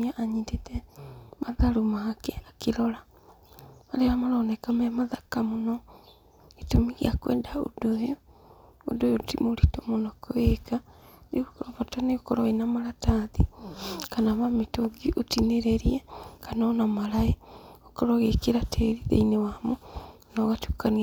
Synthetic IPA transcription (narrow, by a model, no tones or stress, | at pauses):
aʔaɲidetɛmaðaɾomakɛakeɾɔɾa | aɾeɾamaɾanɛkamejamaðakamonɔ | etomiɣiakwɛ̰ːndao̰dojo | o̰dojotimoɾitomonɔkoekaneokɔɾɔβataneokɔɾɔenamaɾataðikanaβametoɡiʔotineɾeɾiɛkanɔːnamaɾaeokɔɾɔɣekeɾatʰeɾiðḛinewamo | naɣatukani